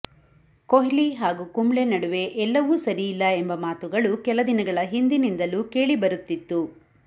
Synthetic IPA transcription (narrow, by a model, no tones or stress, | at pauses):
koɦiliɦaːɡuːkumɭenɐɽuʋe̞ʔɛlːɐʋuːsɐɾijilːɐembɐmaːt̪uɡɐɭukɛlɐd̪inɐɡɐɭɐɦind̪inind̪ɐluke̞ːɭibɐɾut̪ːit̪ːu